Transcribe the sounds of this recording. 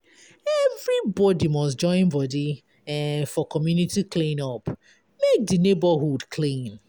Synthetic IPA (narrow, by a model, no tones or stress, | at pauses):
ɛvɹibɔdimɔsd͡ʒɔ̃ɪ̃nbɔdi | fɔkɔmjunitiklĩnɔp | mek̚dinebəhudkʰlĩn